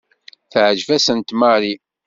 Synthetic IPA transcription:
θʕəʒvæsənt̪maɾi

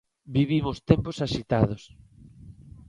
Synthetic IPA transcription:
biβimʊst̪emposaʃit̪aðos

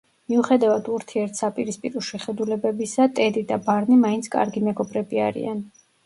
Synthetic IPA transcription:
miuχɛd̪avad̪ʰuɾt̪ʰiɛɾt̪ʰsapʼiɾispʼiɾɔʃɛχɛd̪ulɛbɛbisat̪ʼɛd̪id̪abaɾnimaintsʰkʼa̰ɾɡimɛɡɔbɾɛbia̰ɾḭan

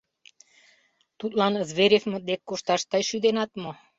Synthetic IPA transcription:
t̪ut̪lɑnzβeɾʲefmə̆d̪ekːoʃt̪ɑʃt̪ɑjʃyd̪enɑt̪mo

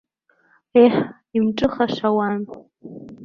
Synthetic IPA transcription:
eħ | imʈ͡ʂʼɨχaʂawan

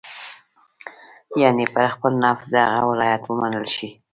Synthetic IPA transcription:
jɑnepəɾxpəlnafzd̪əhaɣa̰wɪlɑjat̪wəmanəlʃi

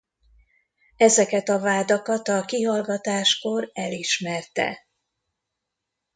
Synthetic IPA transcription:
ɛzɛkɛt̪ɒvaːd̪ɒkɒt̪ɒkiɦɒlɡɒt̪aːʃko̞rɛliʃmɛrt̪ɛ̰

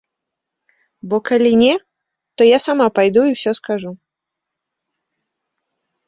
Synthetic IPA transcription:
bɔkalʲinʲɛ | t̪ɔjasamapajd̪uiwsʲɔskaʐu

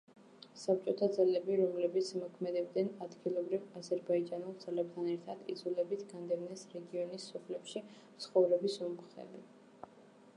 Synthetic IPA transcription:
sap̚t͡ʃʼɔt̪ʰad̪zalɛbiɾɔmlɛbit̪sʰmɔkʰmɛd̪ɛbd̪ɛnad̪ɡilˠɔbɾivazɛɾbaid͡ʒanulˠd̪z̥alɛb̚t̪ʰanɛɾt̪ʰad̪ḭd̪zulɛbit̪ʰɡ̥and̪ɛvnɛsɾɛɡiɔnisːɔpʰlɛpʃi | t̪sʰχɔvɾɛbisumχɛ̰bi

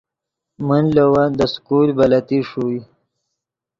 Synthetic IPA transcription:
mənlawand̪əskuɾbɐlat̪iʂui

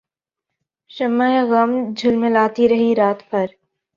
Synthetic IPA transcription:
ʃɐmːaeɣɐmd͡ʒʱʊlmẽlaːt̪iɾɐɦiɾaːt̪pɐɾ

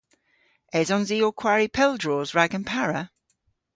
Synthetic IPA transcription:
ɛzɔ̃nziːokʰw̥aɹipʰɛlˠdɹɔːzɹaɡə̃npʰaɹə

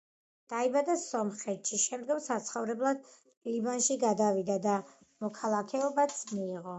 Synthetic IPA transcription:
d̪̥aibad̪asɔmχɛt̪ʃiʃɛmd̪ɡɔmsat̪sʰχɔvɾɛblˠad̪̥ | libanʃiɡad̪avid̪ad̪a | mɔkʰalˠakʰɛɔbat̪sʰmiːʁɔ

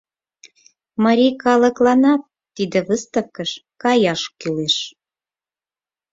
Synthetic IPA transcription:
mɑɾʲijkɑlə̆klɑnɑt̪ːid̪ĕβəst̪əfkəʃkɑjɑʃkyleʃ

